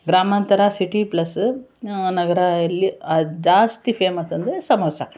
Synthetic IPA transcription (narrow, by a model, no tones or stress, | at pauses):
ɡɾaːmant̪ɐɾasiʈiplɐs | nɐɡɐɾajɐlːiad͡ʒaːst̪ifeːmɐt̪ɐnd̪esɐmoːsa